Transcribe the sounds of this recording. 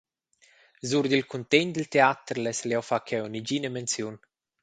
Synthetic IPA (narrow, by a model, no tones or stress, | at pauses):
zuɾd̪ilkunt̪ɛɲd̪əlt̪eat̪ɾlɛsleawfakʰɛwnid͡ʒinəmɛnt͡sjun